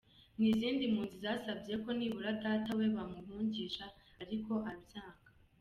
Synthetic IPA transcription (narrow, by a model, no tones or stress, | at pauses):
niziːndimuːnzizaːsabije̞ko̞niβuɾadaːtawe̞βamuɦuːɲɟiʃaɾiko̞ʔaβjaːɡḁ